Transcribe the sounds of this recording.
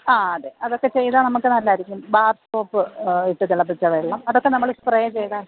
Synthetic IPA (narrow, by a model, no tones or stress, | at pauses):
aːɐɽe̞ʔɐðo̞kːe̞t͡ɕe̞jðaːnɐmukːɨnɐlːaːiɾikʲːumbaːrsoːpːɨiʈːɨt̪ilːɐbt͡ɕːɐʋeɭːaːmɐðokːe̞nɐmːɐɭsprejɐt͡ɕe̞jðaːɳɖ